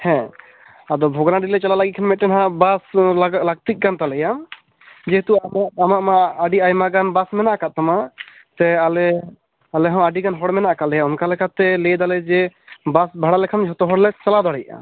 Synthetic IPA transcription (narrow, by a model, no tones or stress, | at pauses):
hɛ̃ | ad̪ɔbʱɔɡanaɖilɛt͡ʃalalaɡikʰanmɛt̚ːɛnɦãʔbaslaɡlaɡ̚t̪ic̚ˀkant̪alɛjam | d͡ʒɛɦt̪uamaamaʔmaːɖiajmaɡanbasmɛnaʔkat̪̚t̪ama | t̪ɛalɛ | alɛɦɔ̃aɖiɡanɦɔɽmɛnaʔkalɛjaɔnkalɛkʰat̪ːɛlɛd̪alɛd͡ʒɛbasbʱaɽalɛkʰamd͡ʒɦɔt̪ɔɦɔɽlɛt͡ʃalad̪ɔɽɛj̚a̰